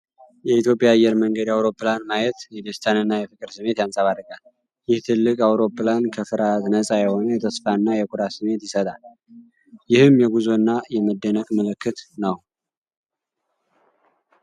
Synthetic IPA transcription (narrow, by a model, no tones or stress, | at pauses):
jɛit̪jo̞pʼjaːjːɛɾməŋɡəd̪awɾo̞pːlanmajɛt̪jɛd̪əst̪ʰanɨnːajɛfɨkʼɨɾsɨmːe̞t̪jansʼəβadːəkʼal | jɪht̪ʰɨlːɨkʼawɾo̞pːɨlankʰəfɨɾat̪nəsʼajɛho̞nəjɛt̪ʰəsfanːajɛkʰʼuɾasɨmːe̞t̪jɪsət̪ʼal | jɪhɨmjɛɡuzo̞nːajɛməd̪ːənəkʼməlɨkːɨt̪nəw